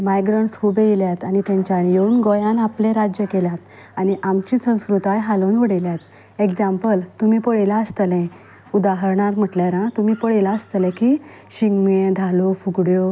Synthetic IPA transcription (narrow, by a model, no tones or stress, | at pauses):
majɡɾəɳʈskubejiljat̪anit̪jãɲt͡ɕjajeunɡojãnaplẽɾad͡ʑjəkeljat̪ | aniʔamt͡ɕiːsə̃w̃skɾut̪ajɦalonʋəɽeljat̪ | ekd͡ʑãmpəlt̪umiːpəɭelaəst̪lɛ̃ | ud̪aɦəɾɳaɾm̤əʈljaɾãt̪umiːpəɽelaəst̪lɛ̃kiː | ɕiŋɡmed̪ʱalofuɡɽjo